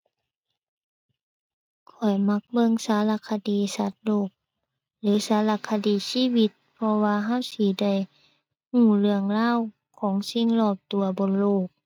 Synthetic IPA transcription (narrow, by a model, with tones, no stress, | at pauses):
kʰɔ˨˩jma˧˥k̚bɤ˧˨ŋsaː˨˦la˧kʰa˧diː˨˦sa˧˦t̪̚loː˧˩k̚ | lɯː˨˦saː˨˦la˧kʰa˧diː˨˦siː˧˥˨wi˧˥t̪̚pʰɔ˧waː˧ɦa˧˥˨wsiː˧˦da˧˩j | hũː˧˩lɯ˧əŋlaː˧˥˨w | kʰɔː˨˦ŋsi˧˨ŋlɔː˧˩p̚t̪u˧ɐbo˧˦nloː˧˩k̚